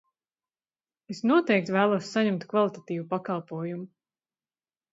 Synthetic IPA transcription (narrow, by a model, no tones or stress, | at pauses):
esnuɔt̪ɛjk̚t̪væːlˠuɔsːaɲɛmt̪kvalˠit̪at̪iːvupakɑlˠpuɔjumu